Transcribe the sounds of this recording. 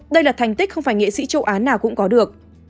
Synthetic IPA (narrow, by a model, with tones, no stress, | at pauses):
ɗə˧jlaː˨˩t̪ʰɛ˨˩ŋ̟t̪i˦˥k̟̚xə˧wŋ͡mfaː˧˩jŋḛ˧˨sḭ˧˥t͡ɕə˧wʔaː˨˦naː˨˩wkʊ̰˧˥ŋ͡mkɔ˨˦ɗɨ˨˩ək̚